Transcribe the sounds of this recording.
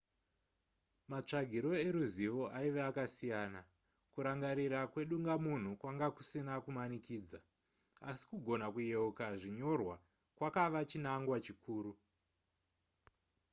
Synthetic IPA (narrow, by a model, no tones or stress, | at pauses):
mat͡ʂaɡʱiɾo̞e̞ɾuziʋo̞ʔaiʋeakasijaːna | kuɾaŋɡaɾiɾakwe̞ɗuŋɡamun̤ukwaŋɡaku̥sinakumanikiːd͡za | asi̥kuɡʱo̞nakuje̞ukaʐiɲo̞rwa | kwakaʋat͡ʃinaŋɡwat͡ʃikʰuːru